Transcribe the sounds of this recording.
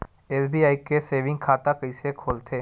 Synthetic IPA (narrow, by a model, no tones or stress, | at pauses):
eːsbiːaːikeseːʋɪ̃ŋɡkʰaːt̪akɐĩsekʰoːlt̪ʰeː